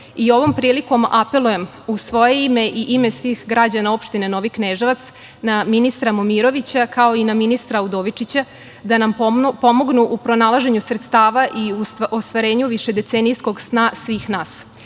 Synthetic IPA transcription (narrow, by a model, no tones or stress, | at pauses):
io̞ʋo̞mpɾiːliko̞mape̞lˠuje̞m | usʋo̞je̞ime̞ʔiʔime̞sʋixɡɾad͡ʑanao̞pʃt̪ine̞no̞ʋikneʒeʋat̪s | naminist̪ɾamomiɾo̞ʋit͡ɕakao̞inaminist̪ɾaud̪o̞ʋit͡ʂit͡ɕa | d̪anampo̞moɡnuʔupɾo̞nalˠaʒe̞ɲusɾet̪st̪aːʋaʔiuost̪ʋaɾe̞ːɲuʋiʃe̞d̪e̞t̪senijsko̞ɡsnasʋiːxnaːs